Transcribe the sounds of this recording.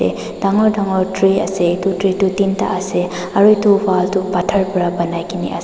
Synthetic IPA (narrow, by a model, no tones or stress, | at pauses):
ɛ̰ | d̥aŋɔɹdaŋɔɹtɹia̰sɛitutɹitutinta̰ʔasɛ | aɹuitubaltupatʰaɹpɔɹabanajkinḭʔa̰